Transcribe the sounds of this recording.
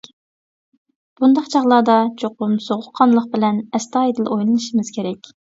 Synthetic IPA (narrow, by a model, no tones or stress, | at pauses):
b̥und̪ɑqt͡ʃʰɑʁlˠɑːd̪ɑt͡ʃʰoqʊmsoʁʊqʰːɑnlˠəq̚bɪlɛnɛst̪ɑːed̪ɪlˠʔojlˠɨnɨʃimɪz̥kʲʰeɾɛkʲ